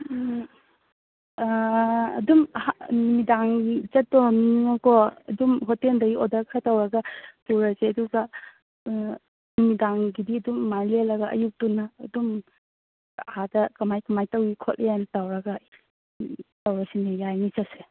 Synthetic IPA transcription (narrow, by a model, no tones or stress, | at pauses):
ɐ̰dumhanumidaŋɡizɐtːɔniŋɔkɔɐ̰dumɦɔteldɐɡiodaɾkʰatawɾɐɡɐtuɾɐseɐduɡɐ | numidaŋɡidiɐdumːajlelɐɡɐɐ̰juk̚tunːɐːdum | hadɐkɐmajkɐmajtɐwikʰɔt̚lʔejantawɾɐɡɐ | tawɾɐsinejajnit͡ʃase